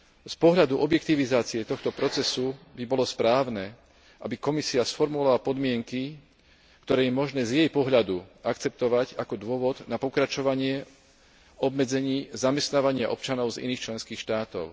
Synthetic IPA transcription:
spɔɦʎad̪uʔɔbjɛkt̪iʋizaːt͡siɛt̪ɔxt̪ɔpɾɔt͡sɛsubibɔlɔspɾaːʊnɛ | ʔa̰bikɔmisiasfɔɾmulaapɔd̪mɪɛŋki | kt̪ɔɾɛːjɛmɔʒnɛːzjɛjpɔɦʎad̪uakt͡sɛp̚t̪ɔʋaɟakɔd̪ʊɔʋɔd̪napɔkɾat͡ʃɔʋaɲɪɛ | ɔbmɛd͡zɛɲiːzamɛst̪naːʋaɲɪa̰ʔɔpt͡ʃanɔʊzḭniːxt͡ʃlɛnskiːxʃt̪aːt̪ɔ̰ʊ

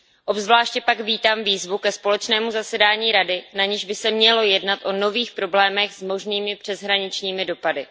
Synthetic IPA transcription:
ʔo̞bzvlaːʃcɛpaɡviːt̪aːmviːzvukɛspo̞lɛt͡ʃnɛːmuzasɛdaːɲiːɾadɪnaɲɪʒbɪsɛmɲɛlo̞jɛdnat̪ʔo̞no̞viːxpɾo̞blɛːmɛxzmo̞ʒniːmɪpr̥ɛzɦɾaɲɪt͡ʃɲiːmɪdo̞padɪ

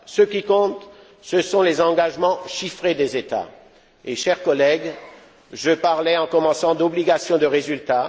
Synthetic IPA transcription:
səkʲikɔ̃t̪ | səsɔ̃lezɑ̃ɡaʒmɑ̃ʃifχed̪ezet̪a̰ | eʃɛʁkɔlɛɡ | ʒəpaʁlɛɑ̃kɔmɑ̃sɑ̃d̪ɔbliɡasjɔ̃d̪əʁezylt̪a

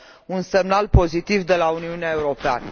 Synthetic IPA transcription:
unse̞mnalpo̞zit̪ivd̪e̞launiuneae̞uɾo̞pea̰nə

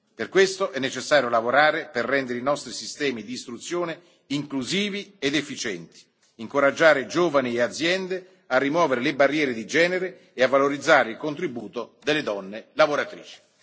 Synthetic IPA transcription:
perkwest̪oʔɛnːet͡ʃesːaːɾjolavoɾaːɾeperːɛnd̪eɾeinɔst̪ɾisist̪ɛːmid̪iːst̪ɾut̪sːjoːne | iŋkluziːvied̪efːit͡ʃɛnt̪i̥ | iŋkoɾad͡ʒːaːɾed͡ʒoːvanieat̪zjɛnd̪e | arːimwɔːveɾelebarːjɛːɾed̪id͡ʒɛːneɾeː | avːaloɾid̪zːaːɾeilkont̪ɾibuːt̪od̪elːed̪ɔnːelavoɾat̪ɾḭːt͡ʃi̥

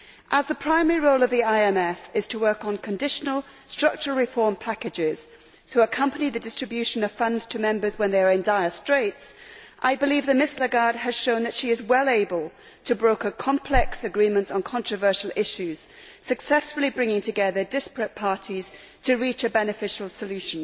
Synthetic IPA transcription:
ʔəzðəpʰɹ̥ãɪ̃mɛɹiɹoʊlˠʌvðiaɪɛmɛfɪz̥tʰəwɜ˞kn̩kʰə̃ndɪʃnəl̩ˠ | stɹ̥ʌk̚t͡ʃəəl̩ˠɹɪfɔːɹmpʰakɨd͡ʒɪz̥ | tʰəəkʰʌ̃mpəniðɨdɪstɹ̥ɨbjʉʃɨ̃nʌv̥fʌ̃ndz̥tʰəmɛ̃mbə˞zwə̃nðeɪə˞ɨ̃ndaɪə˞stɹ̥eɪtsʔaɪbɨlivðɨmɪsləɡɑɹd̚ɨz̥ʃõʊ̃nðɨtʃiɨzwɛlˠeɪbəlˠ | tʰɨbɹoʊkəkʰɑ̃mpʰlɛksɨɡɹĩmə̃ntsn̩kʰɑ̃nt͡ʃɹ̥ɨvɜ˞ʃl̩ˠɪʃʉz̥ | sɨksɛsfl̩ˠibɹɪ̃ŋɪ̃ŋtʰɨɡɛðə˞dɪspɹɨt̚pʰɑɹɾiz̥ | tʰɨɹit͡ʃɨbɛnɨfɪʃl̩ˠsəlʉʃɨ̃n̩

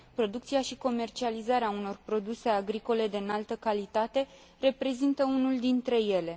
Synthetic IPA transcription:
pɾo̞d̪ukt̪siaʃiko̞me̞rt͡ʃializaɾeauno̞rpɾo̞d̪use̞aɡɾiko̞le̞d̪enalt̪əkalit̪at̪e̞ | re̞pɾe̞zint̪əunuld̪int̪ɾe̞je̞le̞

